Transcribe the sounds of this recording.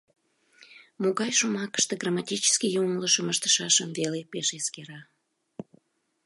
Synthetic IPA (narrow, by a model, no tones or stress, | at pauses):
moɣɑjʃumɑkə̥ʃt̪eɡramɑtʲit͡ɕə̥skʲijumləʃəməʃt̪ə̥ʃɑʃəmvelepeʃeskeɾɑ